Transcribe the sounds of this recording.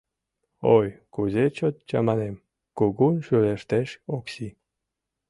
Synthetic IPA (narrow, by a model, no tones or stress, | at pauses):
ojkuzet͡ɕot̪̚t͡ɕɑ̰mɑnem | kuɣunʃyɾeʃt̪eʃoksi